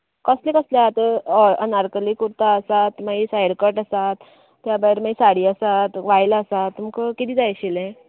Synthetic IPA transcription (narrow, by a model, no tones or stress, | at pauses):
kəslẽkəsljat̪əənaɾkəlikuɾt̪aːsat̪maisajəɽkəʈəsat̪ː | jabajɾmaisaɽiːasat̪ʋajlaːsat̪ːumkəkit̪iːd͡zajɕilẽ